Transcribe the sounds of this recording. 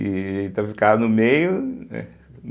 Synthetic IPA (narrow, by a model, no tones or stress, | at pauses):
ɪẽt̪ɐfi̥kanʊmejʊnɛ̰